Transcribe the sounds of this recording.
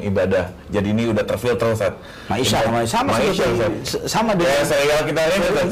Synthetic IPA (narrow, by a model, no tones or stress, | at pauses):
ibadah | d͡ʒadiːniudaht̪ərfilt̪ərusat̪̚ | maiaamasamamasʃasasamadasaɾiɡalakit̪aɾiia